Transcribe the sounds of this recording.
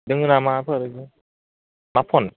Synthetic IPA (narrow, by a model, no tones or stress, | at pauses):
dɯŋɯnamapʰəɾeɡɯ | mapʰɔn